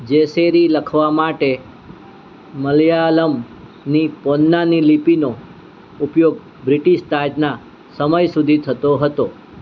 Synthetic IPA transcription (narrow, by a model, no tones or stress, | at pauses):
d͡ʒeseɾiləkʰʋamaʈe | məljaləm | nipɔnːanilipino | upjoɡ | bɾɪʈiʃt̪ad͡ʒna | səməjsud̪ʱit̪ʰət̪oɦət̪o